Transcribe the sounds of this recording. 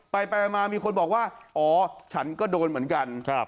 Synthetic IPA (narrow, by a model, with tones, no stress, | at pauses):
pa˧jpa˧maː˧miː˧kʰo˧nbɔː˨˩k̚waː˥˩ʔɔː˨˩t͡ɕʰa˦˥nkɔː˥˩doː˧nmɯ˩˦ənka˧nʰa˦˧˩